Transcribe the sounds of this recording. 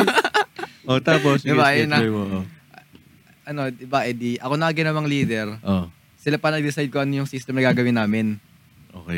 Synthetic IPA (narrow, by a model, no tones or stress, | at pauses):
ʔot̪aːposɪbajnɐoʔo | ʔɐno̞d̪ɪbaʔɛd̪iʔɐko̞nɐkɐɡɪnɐmɐŋliːd̪ɛɾʔo | sɪlapɐnɐɡ̚d̪ɪsajd̪̚koʔɐnojʊŋsist̪ɛmnɐɡaːɡɐwɪnːaːmɪn | ʔo̰ːkɛ